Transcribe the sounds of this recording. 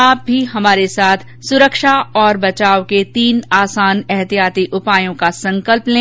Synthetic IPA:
aːp̚bʱiɦɐmaːɾesaːt̪ʰ | sʊɾəkʃaɔːɾbɐt͡ʃaːwket̪iːnaːsaːnɛɦt̪ijaːt̪iʔʊpaːjõkasɐ̃ŋkəlplẽː

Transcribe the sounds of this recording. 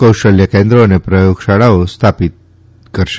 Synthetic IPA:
kəwʂʈəljəkend̪ɾoənepɾəjoɡɕaɽaʋost̪ʰapit̪̚ | kəɾʃ

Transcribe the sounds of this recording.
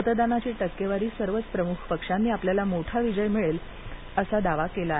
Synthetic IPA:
ət̪d̪anat͡ɕiːʈəkːeʋaɾiːsəɾʋət͡spɾəmukʰpəkʂanːiːapljalamoʈʰaʋid͡ʑəjmiɭel | əsad̪aʋakela

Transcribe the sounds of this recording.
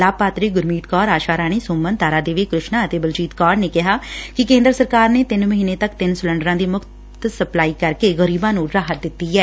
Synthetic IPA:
laːpaːt̪ɾiːɡʊɾmiːt̪kɔːɾaːʃaːɾaːɽ̃iːsʊːmːənt̪aːɾaːd̪eːʋeːkɾʊʃnãːət̪eːbəlt͡ʃiːt̪kɔːɖneːkɪɦaːkɪkẽːnd̪ɾəsəɾkaːɾneːt̪ɪnməɦiːneːt̪əkt̪ɪnsʊlə̃ɳɖəɾãːd̪iːmʊkt̪səplaːiːkəɾkeːɣəɾiːbãːnũːɾaːɦət̪̚d̪ɪt̪ːiːɛː

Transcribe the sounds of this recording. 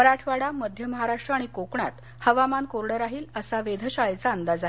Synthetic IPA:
məɾaʈʰʋaɽaməd̪ʱjəməɦaɾaʂʈɾəaɽ̃ikokɳa̰t̪ | həʋamankoɾɽəɾaɦiːləsaʋed̪ʱəɕajt͡saənd̪ad͡za

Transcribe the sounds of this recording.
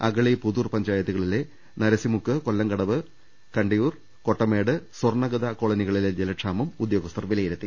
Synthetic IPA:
ɐɡɐɭipuðurpɐɲd͡ʑaːjɐðiɣɐɭile | nɐɾɐsimukːɨkolːɐŋɡɐɽɐʋɨ | kɐɳɖijuːr | ko̞ʈːɐmeːɽɨswɐrɳɐɡɐðakoɭɐniɣɐɭiled͡ʑelɐʈʂaːmɐmud̪jo̞ːɡɐst̪ɐrʋilɐjiɾut̪ːi

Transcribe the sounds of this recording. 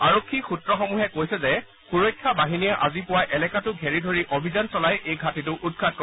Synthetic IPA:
aɹokʰːixutɹɔxɔmuɦɛkojsɛzɛ | xuɹojkʰːabaɦinijaʔazipʊwajʔɛlɛkatʊɡʱɛɹidʱoɹiʔobʱizansɔlajʔejɡʱatitʊʔud̚kʰat̚kɔ

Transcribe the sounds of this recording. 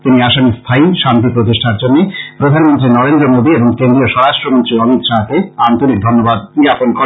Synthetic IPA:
t̪iniaʃamist̪ʰaiʃant̪ipɾot̪̬iʃʈʰaɾd͡ʑonːepɾod̪ʱanmont̪ɾinɔɾend̪ɾomod̪ieboŋkend̪ɾioʃɔɾaʃʈɾomont̪ɾiɔmit̪ʃaɦkeant̪oɾik̚d̪ʱonːobad̪̚iɡaponko

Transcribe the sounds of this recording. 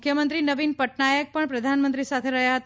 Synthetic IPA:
kʰjəmənt̪ɾinəʋinpəʈnajək̚pəɳpɾəd̪ʱanmənt̪ɾisat̪ʰeɾəɦjaɦət̪a

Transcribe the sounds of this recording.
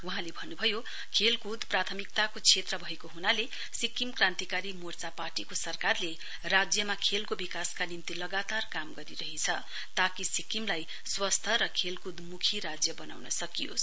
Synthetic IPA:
wuɦãlebʱʌnːubʱʌjo | kʰelkud̪prat̪ʰʌmik̚t̪akot͡sʰet̪rʌbʱʌekoɦunale | sikimkrãnt̪ikaɾimort͡saparʈikosʌrkarle | rad͡zjʌmakʰelkobikaskanimt̪ilʌɡat̪arkamɡʌɾiɾʌɦit͡sʰʌ | t̪akisikimlaj | swʌst̪ʰʌɾʌkʰelkud̪mukʰiɾad͡zjʌbʌna̰wnʌsʌkijo̰s

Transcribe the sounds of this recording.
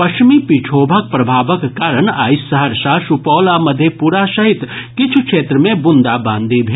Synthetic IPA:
pɐt͡ʃmipit͡ʃʰoːbʱak̚pɾɐbʱaːʋəkkaːɾəɳa̰ːɪsːɐɦəɾʃaːʃupɔːlamɐd̪ʱjepuːɾaʃɐɦɪt̪kɪt͡ʃʰukʃeːt̪ɾəmẽbʊ̃nd̪abãːnd̪ʱibʱeː

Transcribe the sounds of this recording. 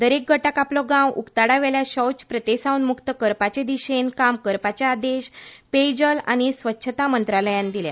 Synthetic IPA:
d̪əɾek̚ɡʱəʈakaplɔɡãwʔukt̪aɽaʋɛljaɕɔwt͡spɾət̪esaunmukt̪əkəɾpat͡ɕed̪iɕenkamkəɾpat͡ɕjaːd̪eɕped͡ʑəla̰ɽ̃isʋətːɕʰət̪amənt̪ɾaləjãnd̪ilja̰

